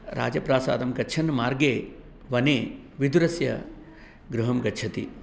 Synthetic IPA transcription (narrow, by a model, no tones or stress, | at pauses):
ɾa̰ːd͡ʒɐpɾaːsa̰ːd̪ɐmɡɐtːt͡ʃʰɐnmaːɾɡeː | ʋɐneː | ʋid̪uɾɐsjɐ̰ | ɡɾuɦɐmɡɐt͡ʃʰɐt̪ḭ